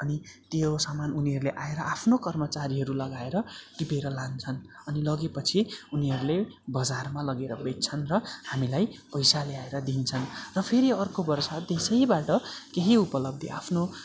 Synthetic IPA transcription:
ʌnit̪josamanuniɦʌɾuleʔaeɾʌʔapʰnokʌrmʌt͡saɾiɦʌɾulʌɡaeɾʌʈipeɾʌlant͡sʰʌnʌnilʌɡepʌt͡sʰiuniɦʌɾulebʌd͡zarmalʌɡeɾʌbett͡sʰʌnrʌhamilajpʌjsaleaeɾʌd̪int͡sʰʌnrʌpʰeɾiʌrkobʌrsad̪esʌjbaʈʌkeɦiupʌlʌb̚d̪ʱiʔa̰pʰno

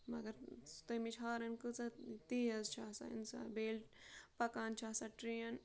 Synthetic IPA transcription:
mɐɡɐɾt̪omit͡ʃʰaːɾɐnkut͡sɐt̪iːjɐzt͡ʃʰaːsa̰ḭnsa̰beːlʈpɐkaːnt͡ʃʰaːsɐʈɾijɐn

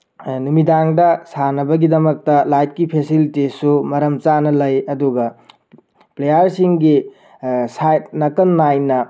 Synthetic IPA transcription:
numidaŋdɐsanɐbɐɡidɐmɐk̚tɐlajt̚kipʰesilitisumɐɾɐmt͡ʃanɐlɐjɐduɡɐ | plejɐɾsiŋɡi | sajtnɐkɐnːajnɐ

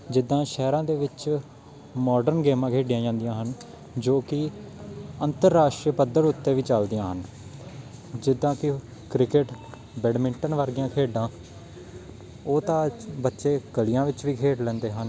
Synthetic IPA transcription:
d͡ʒɪd̪ːãːʃɛːɾãːd̪eːʋɪt͡ʃ | mɔːɖəɾnɡeːmãːkʰeːɖɪjãːd͡ʒãːnd̪ɪjãːɦən | d͡ʒoːkɪ | ənt̪əɾːaːʃʈɾipəd̪əɾʊt̪ːeːʋiːt͡ʃəld̪ijãːɦən | d͡ʒɪd̪ːãːkɪ | kɾɪkɪʈ | bɛːɖmɪ̃ɳʈənʋəɾɡɪjãːkʰeːɖãː | oːt̪ãːbətːʃeːkəlɪjãːʋɪt͡ʃʋiːkʰeːʈlɛ̃ːnd̪eːɦən

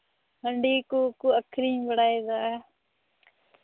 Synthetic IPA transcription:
ɦəɳɖiːkuːkuːəkʰɾiːbəɽaːeːd̪a

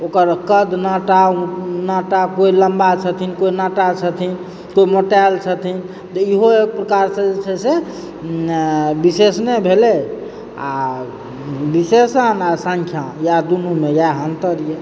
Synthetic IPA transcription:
okəɾkəd̪naʈaũnaʈakoiləmbat͡ʃʰət̪ʰinkoinaʈat͡ʃʰət̪ʰin | koimoʈɛlt͡ʃʰət̪ʰin | t̪ɔiɦoek̚pɾəkaɾsə̃d͡ʒesʰɛse | bisesnebʱele | a̰ | bisesənasə̃ŋkʰjajad̪unumejaɦənt̪əɾije

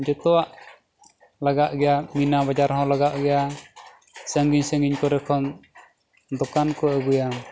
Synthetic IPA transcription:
d͡ʒɔt̪ɔwaʔ | laɡaʔɡɛjaminabad͡ʒaɾɦɔ̃laɡaʔɡɛja | səŋɡiɲsəŋɡiɲkɔɾɛkʰɔn | d̪ɔkankɔəɡuja

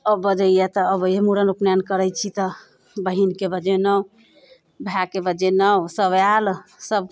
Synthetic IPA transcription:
əbəd͡ʒəjjɛt̪ɔəbemuɾənupnjankəɾət͡ʃʰit̪ɔ | bəɦinkebəd͡ʒenəw | bʱjakebəd͡ʒenəwsəβjalsəb̚

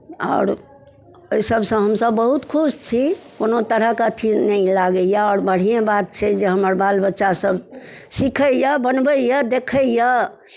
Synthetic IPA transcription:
ɔ̰ːɾ | əjsəbʱsə̃ɦəmsəbːəɦut̪kʰust͡ʃʰikonot̪əɾəɦkat̪ʰinɛilaɡəjaɔːɾbəɽ̤ijẽbat̪̚t͡ʃʰɛd͡ʒeɦəməɾbalbətːʃasəb | sikʰəjəbənbəjəd̪ekʰəjə

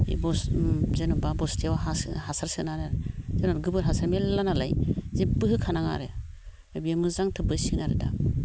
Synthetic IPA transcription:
ḭbɔszenubabɔstʰiawaɦashasaɾsɯnaɾaɾezenɔɾɡɯbɯɾɦasaɾmelanala̰jzebɯɦɯkʰanaŋa̰ɾe | ebiamɯzaŋtʰɯbɯsiknaɾeda̰

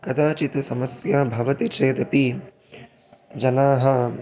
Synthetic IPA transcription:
kɐd̪ʰaːt͡ʃit̪usɐmɐsjaːbʱɐʋɐt̪it͡ʃʰeːd̪ɐpi | d͡ʒɐnaːɦɐ

